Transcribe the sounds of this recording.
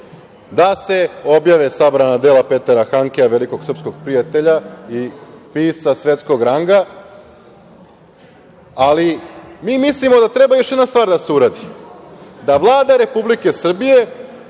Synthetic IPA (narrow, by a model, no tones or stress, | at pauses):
d̪ase̞o̞bjaʋesabɾanad̪elape̞t̪aɾaxaŋkeaʋe̞liko̞ɡ̥sɾr̩psko̞ɡ̥̚pɾijat̪e̞ʎaipiːsasʋe̞t̪sko̞ɡɾaŋɡa | alimiːmislimo̞d̪at̪ɾe̞bajo̞ʃjed̪nast̪vʋaːɾd̪ase̞uɾad̪i | d̪aʋlˠaːd̪aɾe̞publike̞sr̩bije̞